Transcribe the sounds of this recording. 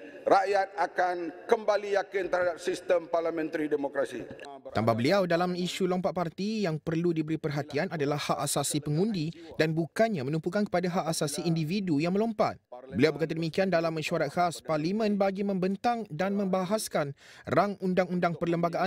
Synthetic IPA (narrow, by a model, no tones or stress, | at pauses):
ɾajat̪̚akankəmbalijakɪnt̪əɾhadap̚sist̪əmparlamɛ̃nt̪ɾidemokɾasḭt̪ambahbəliawdalamiʃulɔmpatʔ̪̚part̪ijaŋpərludibəɾipərɦat̪ianadalahaʔasasipəŋũndidanbukanɲãmə̃nũpukankə̥padaɦaʔasasiindividujaŋməlɔmpat̪̚bəliawbərkat̪̬adəmikiandalamːãʃuaɾat̪̚xasparlimə̃nbaɡimə̃mbənt̪aŋdanmə̃mbaɦaskanraŋundaŋundaŋpərləmbaɡaʔa